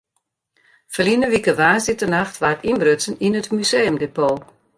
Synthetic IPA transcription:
fəlinəʋikəʋaːsɪtənaxtʋatimbrøt͡səninətmyseːəmdepoː

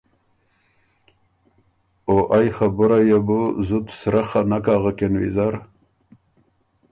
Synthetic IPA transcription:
oʔajxabʊɾajebuzut̪sɾaxanakaːɣakenwḭzaɾ

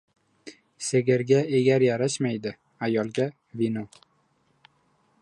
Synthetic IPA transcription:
se̞ɡʲaɾɡʲaeɡʲaɾjaɾaʃmajd̪ɪ | ajɒlˠɡʲa | vino

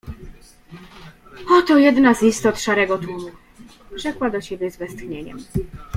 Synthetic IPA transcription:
ɔt̪ɔjɛd̪nazist̪ɔt̪ʂaɾɛɡɔt̪wumu | ʐ̥ɛkwad̪ɔɕɛbʲjɛzvɛst̪xɲeɲɛ̰m

